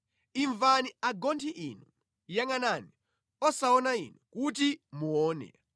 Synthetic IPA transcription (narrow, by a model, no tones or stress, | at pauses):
iɱvaniaɡɔntʰiʔinu | jaŋanani | ɔsaɔnaḭnukutimuɔːnɛ̰